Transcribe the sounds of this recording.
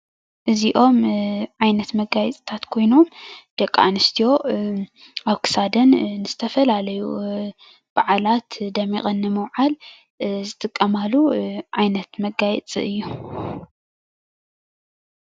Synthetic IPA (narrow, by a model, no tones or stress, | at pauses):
ʔɨziʔo̞mʕajnɐt̪mɐɡajɛt͡sʼit̪ʰat̪kʰo̞jno̞md̪̥ɐkʼːa̰nɨst̪ʰijo̞ | aβkʰɨ̥sad̪ɐnːɨzɨt̪ʰɐfɐlalɐjṵ | b̥aʕalat̪d̪ɐmḭχʼɐnːɨmɐwʕal | zɨt̪ʼɨkʼːɐmalːuʕajnɐt̪mɐɡajɛt͡sʼḭɨjːu